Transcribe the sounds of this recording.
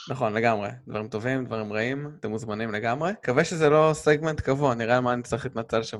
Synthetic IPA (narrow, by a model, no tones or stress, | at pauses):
naχo̞nle̞ɡamʁed̪va̰ʁimt̪o̞vimd̪vaʁimʁaimat̪emuzmanimle̞ɡamʁekaveʃezelo̞seɡment̪kavoaniʁalmaːnit͡saʁiχlit̪nat͡selʃam